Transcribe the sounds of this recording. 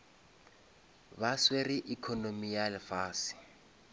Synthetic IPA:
baswerɪʔikʰɔnomijalɪfaːsɪ̥

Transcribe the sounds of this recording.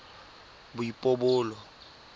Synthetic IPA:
bʊipʼobʊːlɔ

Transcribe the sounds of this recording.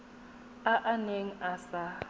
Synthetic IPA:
aʔaneŋ̩asa

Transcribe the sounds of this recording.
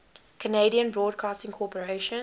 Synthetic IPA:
kʰəneɪɾiə̃nbɹɔːd̚kʰɑːstɪ̃ŋkʰɔpəɹeʃə̃n

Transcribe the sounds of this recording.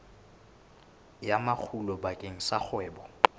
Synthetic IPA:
jamak͡xʰulɔbakʼeŋ̩sak͡xʰwɛːbɔ

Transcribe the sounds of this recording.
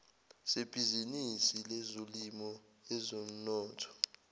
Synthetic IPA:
seb̥ʱizinisilɛzolimɔ | ɛzom̩nɔːtʰɔ̥

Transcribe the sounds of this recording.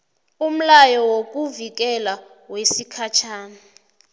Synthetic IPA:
um̩lajɔwok̬ʼuvik̬ɛlawesikʰat͡ʃʰaːna

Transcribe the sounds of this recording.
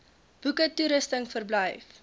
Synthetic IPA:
b̥ukətːuɾəstəŋfərbləjf

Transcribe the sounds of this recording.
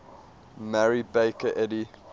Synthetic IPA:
mæɹibeɪkəʔɛdi

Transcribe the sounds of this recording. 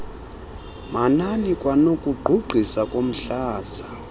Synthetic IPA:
mananikʼwanokʼuɡ͡ǃʱuɡ͡ǃʱisakʼom̩ɬaːza

